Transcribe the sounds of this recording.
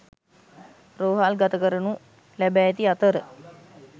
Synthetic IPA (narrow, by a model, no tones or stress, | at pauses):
roːɦalɡat̪əkəɾənu | læbæːet̪iat̪əɾə